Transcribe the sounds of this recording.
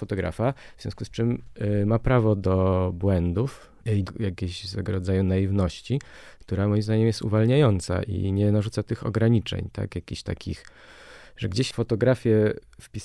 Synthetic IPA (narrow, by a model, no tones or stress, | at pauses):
ɔt̪ɔɡɾa̰favz̥ʲjɔ̃skust͡ʂɘmmapɾavɔd̪ɔbwɛnd̪uf | ijakʲeɕst̪ɛɡɔɾɔdzajunajivnɔɕt͡ɕikt̪uɾamɔjimzd̪aɲɛmjɛst̪ṵvalɲajɔnt̪sa̰ʔḭɲɛnaʐut̪sat̪ɘxɔ̰ɡɾaɲit͡ʂɛ̰ɲt̪a̰kjakʲiɕt̪a̰kʲḭx | ʐɛɡd͡ʑeɕfɔt̪ɔɡɾafʲjɛfpʲi